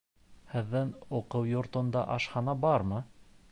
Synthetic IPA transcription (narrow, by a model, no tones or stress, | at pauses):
hɘ̆ðːɘnoqɤwjŏɾt̪ŏnd̪ɑ̰ʔɑʃhɑnɑbɑɾmɤ